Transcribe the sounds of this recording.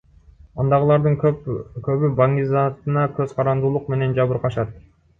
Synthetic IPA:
ɑnd̪ɑʁɯlˠɑɾd̪ɯŋkkøβybɑŋizɑt̪ɯnɑkøz̥qʰɑɾɑnd̪uːlˠuq̚me̞ne̞nd͡ʒɑβɯɾqɑʃɑt̪̚

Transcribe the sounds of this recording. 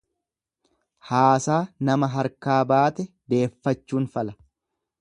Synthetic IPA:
haːsaːnɐmɐɦɐɾkaːbaːt̪ɛd̪e̞ːfːɐt͡ʃːuːnfɐlɐ

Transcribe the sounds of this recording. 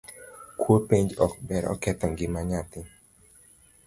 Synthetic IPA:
kwopeɲd͡ʒɔk̚bɛɾɔ̰kɛt̪ɔŋɡɪmaɲat̪ɪ

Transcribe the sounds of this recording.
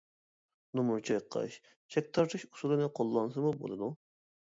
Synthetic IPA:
numuɾt͡ʃʰɑjqʰːɑ̰ʃ | t͡ʃʰɛk̚ʲt̪ʰɑɾt̪ʰɨʃu̥sulˠɨnɨqʰolˠːɑnsɨmubo̰lˠɨd̪u

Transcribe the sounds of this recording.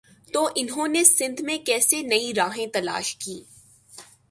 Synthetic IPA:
t̪oʔɪnɦõːnesɪ̃nd̪ʱmẽkɛːsenɐiɾaːɦẽt̪ɐla̰ːʃkiː

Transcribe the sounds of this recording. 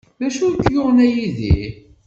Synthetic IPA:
ðæʃʊɾt̪ːjʊʁnæjiðḭ

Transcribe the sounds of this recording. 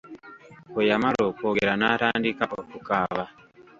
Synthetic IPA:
kojamaɾokoɡeɾanataːndikaʔokukaβa

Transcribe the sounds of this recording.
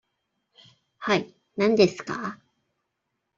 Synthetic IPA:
hai | nãnd̪e̞sɨ̥ka

